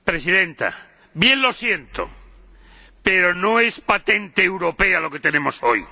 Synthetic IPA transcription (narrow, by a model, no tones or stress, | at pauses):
pɾesiðẽ̞nt̪a̰ | bjẽ̞nlo̞sjent̪o̰ | peɾo̞noespat̪ent̪eːwɾo̞pe̞alo̞ket̪e̞nẽmoso̞j